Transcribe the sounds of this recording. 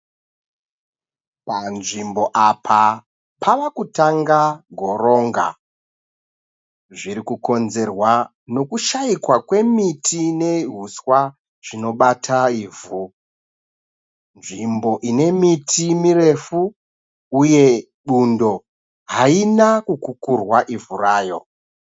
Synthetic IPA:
panʐimbo̞ʔapʰa | pʰaʋakutaŋɡaɡʱo̞ro̞ːŋɡa̰ | ʐiɾikuko̞nze̞rwa | no̞kuʃaikwakwe̞mitʰine̞ɦuswa | ʐ̥ino̞ɓatʰaiːvu | nʐimbo̞ʔine̞mitʰimire̞fuː | je̞ | ɗundo̞ | ɦainakukukurwaʔivuraːjo̞̰

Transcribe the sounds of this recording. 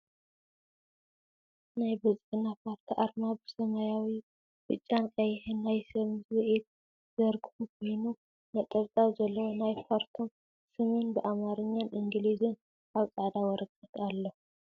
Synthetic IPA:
najbɐzʼɨħnːapʰaɾt̪ʰiʔaɾmabɨsɐmajawi | bɨt͡ʃʼːankʼɐjħɨnːajsɐβzwɨʔit̪̚ | zɐɾɡɨhukʰojnu | nat̪ʼɐβt̪ʼawzɐlːɐwonajfʰaɾt̪ʰom | sɨmɨnbɨʔamaɾɨɲːanʔɨŋɡɨlizɨn | ʔaβt͡sʼaʕd̪awɔɾɐkʼːɐt̪ʰalːo

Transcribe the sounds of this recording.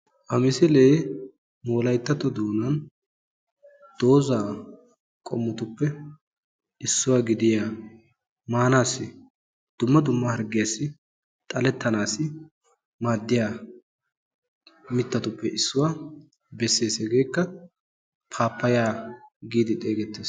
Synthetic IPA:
ʔɐmɪsɪleː | moːlɐjt̪ːɐt̪ɔd̪oːnɐn | d̪̥o̞ːzaː | kʼɔ̰mːʊt̪ʊpːɛ | ɪsːʊwaːɡɪd̪ɪja | maːnaːsːɪ | d̪̥ʊmːɐd̪ʊmːɐhɐɾɡɪjasːɪ | t̪ʼɐlɛt̪ːɐnaːsːɪ | maːd̪ːɪjaː | mɪt̪ːɐt̪ʊpːɛʔɪsːʊwa | bɛsːe̞ːsɛɡe̞ːkːɐ | pʰaːpːɐjaːɡiːd̪ɪt̪ʼe̞ːɡɛt̪ːeːs

